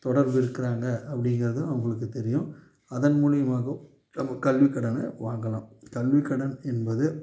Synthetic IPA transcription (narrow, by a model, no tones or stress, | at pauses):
t̪ɔɽɐɾʋɯɪɾɯkːɪɾaːŋɡɐɐpːɐɽɪŋɡɪɾɐðɯnɐʊŋɡɐɭɯk̬ːɯt̪ɛɾɪjʊ̃ | ɐðɐnmuːɻɪjɐmaːɣɐ | ɐmɐkɐlʋɪkːɐɽɐnɐʋaːŋɡɐlãːkɐlʋɪkːɐɽɐnɛnbɐðɯ